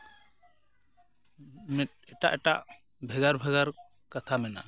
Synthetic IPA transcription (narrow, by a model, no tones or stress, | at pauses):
mɛ | ɛʈa̰ʔɛʈaʔ | bʱɛɡaɾbʱɛɡaɾ | kat̪ʰamɛna̰